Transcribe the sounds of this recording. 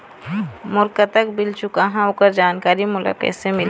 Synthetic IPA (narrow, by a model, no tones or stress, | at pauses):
mʊɾkat̪əkbɪlt͡ʃʊkaɦãʊkəɾd͡ʒaːnkaːɾimʊla̰ːkə̰ːt̪semɪl